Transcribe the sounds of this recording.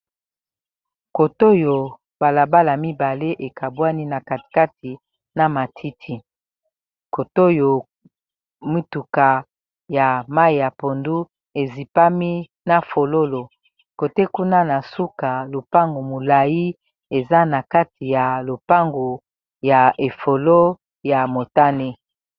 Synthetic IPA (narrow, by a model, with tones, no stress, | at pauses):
ko˨to˦jo˨ | b̥a˨la˨ba˦la˨mi˦ba˨le˦ʔe˨kʰa˨bwa˦ni˦na˨ka˨tka˦tʰi˨ | na˨ma˨tʰi˦tʰi˦ | ko˨to˦jo˨ | mi˦tu˨ka˨ | ja˨ma˦i˨ja˨po˨ndu˦ | e˨zi˨pa˦mi˦ | na˨fo˨lo˦lo˨ | ko˨te˦ku˦na˦na˨su˦ka˨lo˨pa˦ŋɡo˨mo˨la˨ji˦ | e˨za˦na˨ka˦ti˨ja˨lo˨pa˦ŋɡo˨ | ja˨ʔe˨fo˨lo˦ | ja˨mo˨ta˦ne˦